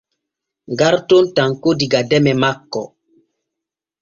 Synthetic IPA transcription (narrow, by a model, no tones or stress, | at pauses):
ŋɡaɾtontaŋkodiɡadɛmɛmakːɔ